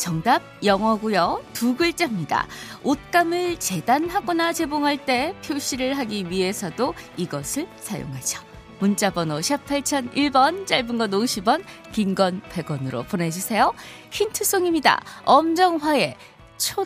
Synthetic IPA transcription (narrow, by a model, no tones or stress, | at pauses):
t͡ɕʌŋdab̚jʌŋwʌɡujʌtuɡɯɭt͡ɕ͈amɲida̰ot̚k͈amɯɭt͡ɕe̞danɦaɡʌnat͡ɕe̞boŋɦaɭt͈e̞pʰjoɕʰiɾɯɭɦaɡiɥiɦe̞sʰʌdoiɡʌsʰɯɭsʰajo̰ŋɦad͡ʑʌ̥ | munt͡ɕ͈abʌnoɕʰapʰaɭt͡ɕʰʌniɭbʌnt͡ɕ͈aɭbɯnɡʌnoɕʰibʌn | kiŋɡʌnpe̞ɡʌnɯɾo̰pone̞d͡ʑusʰe̞jo | çintʰɯs͈oŋimɲida̰ʌmd͡ʑʌŋwae̞ | t͡ɕʰo